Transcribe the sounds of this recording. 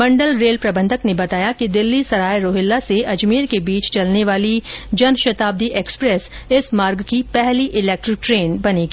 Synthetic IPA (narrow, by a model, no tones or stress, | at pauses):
bɐ̃ɳɖəlɾeːlpɾɐbə̃nd̪ʱəknebɐt̪aːjakid̪ɪlːisɐɾaːjɾoːɦɪlːaseʔɐd͡ʒmiːɾkebiːt͡ʃt͡ʃɐlneʋaːlid͡ʒɐnʃɐt̪aːb̚d̪iʔeːkspɾɛsɪsmaːɾɡkipɛɦliʔɪlɛːk̚ʈɾɪk̚ʈɾeːnbɐneɡiː